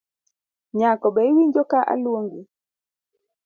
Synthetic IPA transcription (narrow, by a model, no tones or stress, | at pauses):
ɲakɔɓɛiwiɲd͡ʒɔkaʔa̰loŋɡi